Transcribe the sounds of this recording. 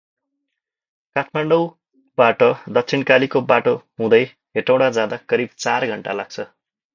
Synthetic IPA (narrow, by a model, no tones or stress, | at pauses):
kat̪ʰmaɳɖʌw | baʈʌd̪ʌk̚t͡sʰinkalikobaʈoɦũd̪ʌj | ɦeʈaw̃ɽad͡zãd̪akʌɾib̚t͡sarɡʱʌɳʈa̰laɡ̚t͡sʰʌ